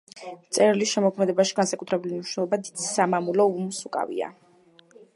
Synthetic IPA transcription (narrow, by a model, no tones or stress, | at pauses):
t̪sʼɛɾilisʃɛmɔkʰmɛd̪ɛbaʃi̥ɡansakʼut̪ʰɾɛbuliniʃnɛlˠɔbad̪id̪isamamulɔumusukʼa̰vḭa̰